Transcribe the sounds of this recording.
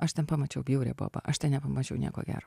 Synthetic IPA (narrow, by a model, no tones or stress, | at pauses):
ɐʃt̪ʲɛnpɐmɐt͡ʃʲɛʊbʲjɛʊɾʲɛ̰ːbo̰ːbɐ̰ʔɐʃt̪ʲɛnnʲɛpɐmɐt͡ʃʲɛʊnʲiɛko̰ːɡʲæ̰ːɾoː